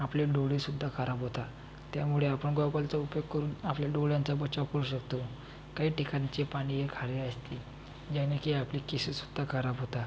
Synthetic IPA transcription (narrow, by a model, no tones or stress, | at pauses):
apliɖoɭisud̪ʱːakʰaɾabɦot̪a | t̪jamuɭeapəɳɡɔwɡəlt͡saupjokkːəɾuːnapljaɖoɭjãnt͡sabət͡ɕaʋkəɾuːɕəkt̪o | kaɦiːʈikaɲt͡ɕepaɽ̃iɦekʰaɾeəst̪i | d͡ʑanakiaplikisisud̪ʱːakʰaɾabɦot̪a